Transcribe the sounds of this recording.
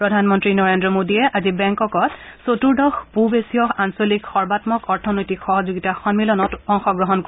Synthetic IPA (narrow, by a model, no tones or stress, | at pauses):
pɹɔdʱanmɔntɹinɔɹendɹɔmodijɛʔazibɛŋkɔkɔtsotuɹdɔxpubesiɔxansolikxɔɹbatmɔkɔɹtʰɔnojtikxɔɦɔzuɡitaxɔnmilɔnɔtɔŋxɔɡɹɔɦɔnko